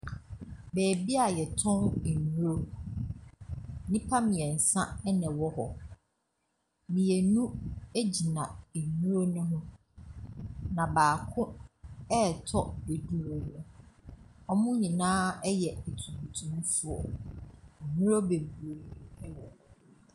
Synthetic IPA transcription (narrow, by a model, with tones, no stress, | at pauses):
bɛː˨bi˦a˨jɛ˨tʰʊ̃˦nɛ˨nũ˦ɾo˦ | nĩ˦pʰa˦mĩ˨ɛ˨n̩˨sã˦ɛ˦nɛ̃˨wɔ˦hɔ˨ | mĩ˨e˨nũ˦e˦d͡ʑi˨nã˨e˨nũ˦ɾo˦nʊ̃˦ɦʊ̃˦ | nã˨baː˨kʰʊ̃˦ɛ˦˨tʰɔ˦be˨du˦wɔ˦hʊ̃˦ | ɔ˦mʊ̃˦ɲĩ˨nãː˦ɛ˦jɛ˨e˨tʰũ˨bu˨tʰũ˨mũ˦fu˦ɔ̰˨ | ɔ˨nũ˦ɾo˦be˨bu˨o˨˦ɛ˦wɔ̃˨